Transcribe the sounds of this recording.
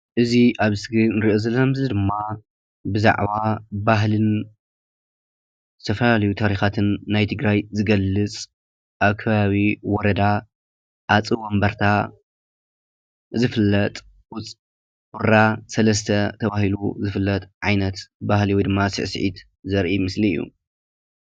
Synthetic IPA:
ʔɨziʔaβsɨɡɨnɨɾiʔozɐlːɐmzɨd̪ɨmːa | bɨza̰ʕβabaɦlɨn | zɨt̪ʰɐfɐlalɐjut̪ʰaɾixat̪ʰɨnːajt̪ʰɨɡɾajzɨɡɐlːɨt͡sʼ | ʔaβkʰɐβaβiwɔɾɐd̪a | ʔat͡sʼɨwɐmbɐɾt̪ʰa | zɨfɨlːɐt̪ʼ | ʔʊt͡sʼ | ʔuɾasɐlɐs̬t̪ʰɐt̪ʰɐβahilṵzɨfɨlːɐt̪ʼʕajnɐt̪bahliwɔjd̪ɨmːasɨ̰ʕsʕḭt̪ | zɐɾʔimɨsliɨ̰jːṵ

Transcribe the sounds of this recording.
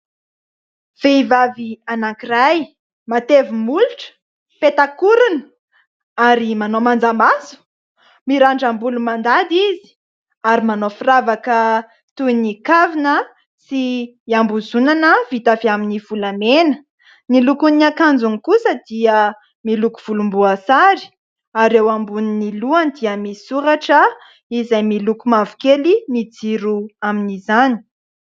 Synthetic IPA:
v̥eivavianakiraj | mat̪evimuluʈ͡ʂə̥ | pet̪akuɾun̥ | aɾimanomand͡zamasu̥ | miɾaɳɖ͡ʐambulumand̪ad̪izi̥ | aɾimanofiravakə | t̪unikavinə | si | ambuzunanəvit̪afiaminiv̥ulamenə̥ | nilukuniakand͡zuŋikusəd̪iə | milukuv̥ulumbuasaɾi̥ | aɾewambuniniluand̪iəmisuɾaʈ͡ʂə | izajmilukumavu̥kelimid͡ziɾuaminizani̥

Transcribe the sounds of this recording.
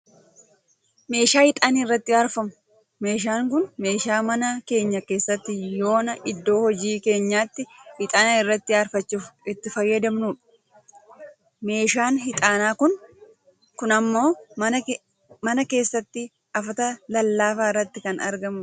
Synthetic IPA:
me̞ːʃaːhɪt̪ʼaːniːrːɐt̪ːɪaːɾfɐmʊ | me̞ːʃ̬aːŋk̬ʊnme̞ːʃaːmɐnɐke̞ːɲːɐke̞ːsːɐt̪ːɪjo̞ːnɐʔɪd̪ːo̞ːhɔd͡ʒiːke̞ːɲːaːt̪ːɪhɪt̪ʼaːnaɪrːɐt̪ːɪaːɾfɐt͡ʃːufɪt̪ːɪfɐjːɐd̪ɐmnuːᶑɐ̥ | me̞ːʃaːnɦɪt̪ʼaːnaːkʊn | kʊnɐmːo̞ː | mɐnɐke̞ːsːɐt̪ːɪ | ɐfɐt̪ɐlɐlːaːfaːɪrːɐt̪ːɪkɐnɐ̰ɾɡɐmʊ

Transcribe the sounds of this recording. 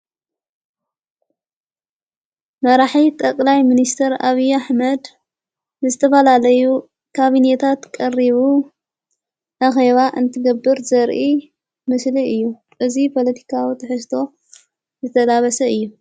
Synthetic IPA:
mɐɾaħit̪ʼɐkʼlajminist̪ʰɐɾa̰βijaħmɐd̪ | nɨzɨt̪ʰɐfɐlalɐju | kʰaβinet̪ʰat̪kʼɐrːiβu | ʔaxe̞βaʔɨnt̪ʰɨɡɐbːɨɾzɐɾʔi | mɨsliɨjːu | ʔɨzipʰo̞lɐt̪ʰi̥kʰawit̪ʰɐħɨs̬t̪ʰo̞ | zɨt̪ʰɐlaβɐsɐɨjːu

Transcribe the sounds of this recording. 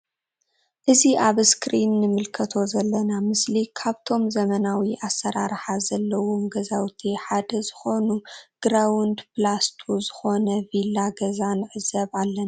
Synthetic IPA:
ʔɨziʔaβskɾinːɨmɨlkʰɐt̪ʰo̞zɐlːɐnamɨslikʰaβt̪ʰo̞mzɐmɐnawiʔasːɐɾaɾħazɐlːɐwo̞mɡɐzawt̪ʰiħad̪ɐzɨxo̞nuɡ̥ɾawund̪plast̪ʰuzɨxo̞nɐvilːaɡɐzanʕɨzɐβalːɐn

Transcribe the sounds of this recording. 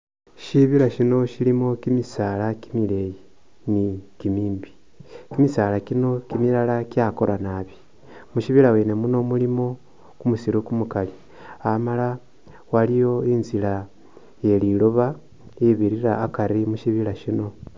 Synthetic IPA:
ʃiβilaʃino̞ʃilimo̞kimisaːlakimile̞ji | nikimiːmbi̥ | kimisaːlakino̞kimilalakjako̞ɾanaːβi | muʃiβilawene̞muno̞mulimo̞ | kumusiɾokumukali | amala | walijo̞inzila | je̞liloβa | iβiɾiɾaːkaɾimuʃiβilaʃino̞

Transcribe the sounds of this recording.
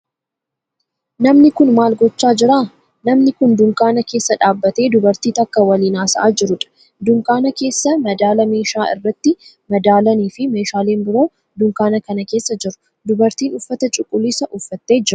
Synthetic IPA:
nɐmnɪkʊnmaːlɡɔt͡ʃːaːd͡ʒɪɾaː | nɐmnɪkʊnd̪ʊŋkʼaːnɐke̞ːsːɐᶑaːbːɐt̪e̞ːd̪ʊbɐɾt̪iːt̪ɐkːɐwɐliːnaːsɐʔaːd͡ʒɪɾʊᶑɐ̥ | d̪ʊŋkʼaːnɐke̞ːsːɐmɐd̪aːlɐme̞ːʃaːɪ̰rːɐt̪ːɪ | mɐd̪aːlɐniːfɪme̞ːʃaːle̞ːnbɪɾo̞ː | d̪ʊŋkaːnɐkɐnɐke̞ːsːɐd͡ʒɪɾʊ̥ | d̪ʊbɐɾt̪iːnʊfːɐt̪ɐt͡ʃʼʊkʼːʊlɪsɐʔʊfːɐt̪ːe̞ːd͡ʒɪɾʊ

